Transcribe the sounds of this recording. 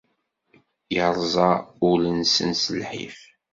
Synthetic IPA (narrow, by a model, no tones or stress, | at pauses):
jəɾˤzˤɑʊlənsə̰nsəlħḭf